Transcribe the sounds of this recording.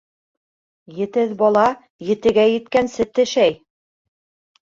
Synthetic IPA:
jɘ̆t̪ɘðbɑlˠɑ | jɘ̆t̪ɘ̆ɡæjɘ̆t̪kænsɘt̪ɘ̆ʃæj

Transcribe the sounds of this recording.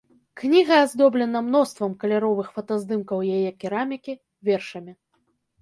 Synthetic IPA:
knʲiɣɐazd̪ɔblʲɛnɐmnɔst̪vɐmkɐlʲaɾɔvɨxfɐt̪azd̪ɨmkɐwjajɛkʲiɾamʲikʲi | vʲɛrʂɐmʲi

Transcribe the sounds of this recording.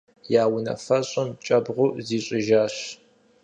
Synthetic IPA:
jaːwʊnɐ̰fɐɕʼɐmt͡ʃʼɐbʁʷʊziːɕʼɪʒaːɕ

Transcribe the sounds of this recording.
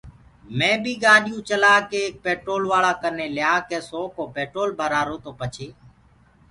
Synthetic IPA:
mẽːbʱiːɡãːɗɪjũːt͡ʃəlaːkeːk̚peːʈɾoːlʋaːɭaːkəneːlɪjaːkeːsoːkoːpeːʈɾoːlbʱəɾaːɾoːt̪oːpət͡ʃʰeː

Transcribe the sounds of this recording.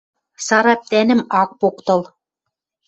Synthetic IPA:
sɑɾɑp̚t̪ænɘ̆mɑk̚pokt̪ɤ̆lˠ

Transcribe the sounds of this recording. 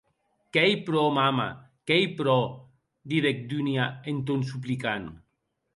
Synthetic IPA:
kɛjpɾɔmama̰ | kɛjpɾɔ | d̪iðek̚d̪yniaent̪̬onsup̬likan

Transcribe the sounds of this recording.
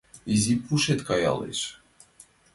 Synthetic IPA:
izʲipuʃet̪kaja̰lˠḭʃ

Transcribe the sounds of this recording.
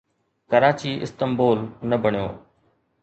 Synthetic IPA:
kəɾaːt͡ɕiːʔɪ̰st̪əmboːlnɐbəɳjoː

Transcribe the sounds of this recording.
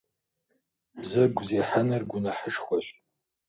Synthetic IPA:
bzɨɡʷzeːħanɐrɡʷʊnɐħəʂχʷɔɕʼ

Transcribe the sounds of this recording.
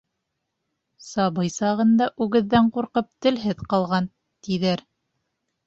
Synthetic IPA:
sɑβɤjsɑʁɤ̆nd̪ɑʔʉɡɘ̆ðːæɴquɾqɤp̚t̪ɘ̆lɦɘðqɑlˠʁɑn | t̪iðæɾ

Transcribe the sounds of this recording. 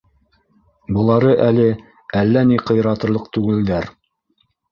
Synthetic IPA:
bɤ̆lˠɑɾɤʔælɘ | ælːæniqɤ̆jɾɑt̪ɤ̆lˠɤq̚t̪ʉɡɘ̆ld̪æɾ

